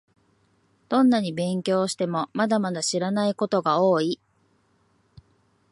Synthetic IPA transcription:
d̪̥õ̞nːaɲ̟ibẽ̞ŋkʲo̞ːɕi̥t̪e̞mo̞mad̪amad̪aɕiɾanaiko̞t̪o̞ɡao̞ːi

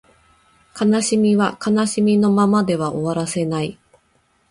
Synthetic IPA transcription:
kanaɕimʲiβakanaɕimʲino̞mamad̪e̞βaʔo̞βaɾase̞nai

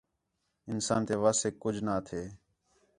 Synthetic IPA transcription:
ɪnsa̰ːnt̪eːʋaːsekːʊd͡ʒʱnaːt̪ʰeː

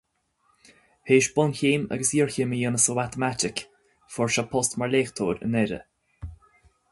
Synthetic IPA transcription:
heːʃbʊnçiːmə̰ɡəsiːɹçiːməjənəsomat̪əmat̪ɪk | fɔɹʃɔpʰɔst̪maɹleːxt̪ʰoːɾə̰nɛɾə̰

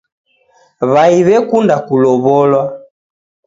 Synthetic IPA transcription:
βaiβɛkundakulɔβɔlwa

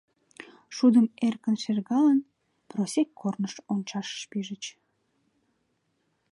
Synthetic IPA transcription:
ʃud̪əmerkənʃerɣɑlən | prosekʰːornəʃonʲt͡ɕɑʃːpiʒət͡ɕ

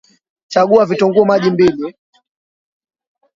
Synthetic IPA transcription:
t͡ʃaɡuavitɔŋɡuɔmaʄimbili

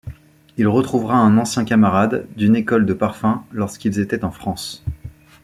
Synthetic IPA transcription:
ilʁət̪χuvʁaɛ̃nɑ̃sjɛ̃kamaʁad̪ːynekɔld̪əpaʁfɛ̃lɔʁskʲilzet̪ɛt̪ɑ̃fχɑ̃s

